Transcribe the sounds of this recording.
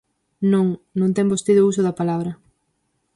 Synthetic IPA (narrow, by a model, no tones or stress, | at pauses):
nõŋnõŋt̪ɛŋbost̪iðʊusʊðɐpalaβɾɐ